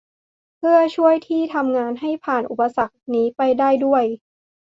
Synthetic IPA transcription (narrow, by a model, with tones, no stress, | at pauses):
pʰɯ˥˩ɐt͡ɕʰu˥˩əjt̪ʰiː˥˩t̪ʰa˧mŋaː˧nɦa˥˩jpʰaː˨˩nʔu˨˩pa˧sa˨˩k̚niː˦˥pa˧jdaː˥˩jdu˥˩əj